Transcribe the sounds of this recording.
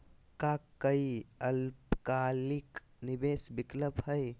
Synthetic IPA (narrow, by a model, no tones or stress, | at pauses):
kakəiəlpkalik | nibesbɪkləbhəj